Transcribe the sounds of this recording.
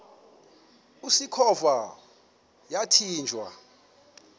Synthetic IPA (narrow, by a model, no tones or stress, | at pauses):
usikʰɔva | jatʰiːnd͡ʒʱwa̰